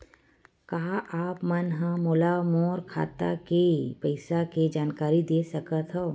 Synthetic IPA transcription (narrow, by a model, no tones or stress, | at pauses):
kaːʔaːpmɐnɦə̃moːlamoːɾkʰa̰ːt̪a̰kepəɪsaked͡ʒaːnkaːɾid̪eːsɐkət̪ɦoː